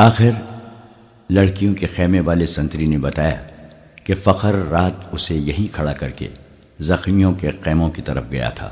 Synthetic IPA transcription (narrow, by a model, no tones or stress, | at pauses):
aːxɪɾ | lɐɽkijõkexɛːmeʋaːlesɐ̃nt̪ɾinebɐt̪aːja̰ | kefɐqəɾːaːt̪ʊsejɐɦikʰɐɽakɐɾkḛ | zɐxmijõkeqɛːmõkit̪ɐɾəfɡɐ̰ja̰t̪ʰa̰ː